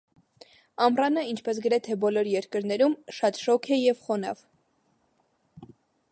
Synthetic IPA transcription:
ɑmrɑnəint͡ʃʰpɛs̬ɡəɾɛt̪ʰɛbɔlɔɾjɛɾkəɾnɛɾumʃɑt̪ʃɔkʰɛjɛvχɔnɑ̰v

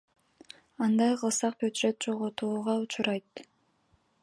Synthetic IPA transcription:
ɑnd̪ɑjqʰɯlˠsɑq̚bʲod͡ʒ̪ʒet̪̚d͡ʒo̞ʁot̪uːʁɑut͡ʃuɾɑjt̪

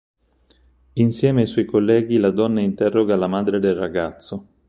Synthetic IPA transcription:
insjɛːmeajswɔjkolːɛːɡilad̪ɔnːaint̪ɛrːoɡalamaːd̪ɾed̪elraɡat̪sːo

